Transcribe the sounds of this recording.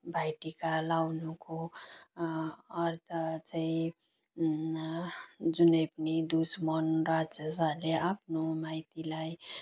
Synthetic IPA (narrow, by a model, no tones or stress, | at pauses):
bʱajʈikalawnuko | ʌɾt̪ʰʌt͡saĩ | d͡zunʌjpʌnid̪usmʌnrat͡sesaleapnomajt̪ilaj